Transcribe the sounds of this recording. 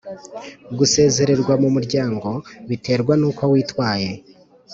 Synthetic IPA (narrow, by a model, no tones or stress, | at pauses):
ɡuse̞ːze̞ɾe̞ɾɡwamumuɾɟaːŋɡo̞βitʰe̞ːɾɡwanuːkowiːtwaːje̞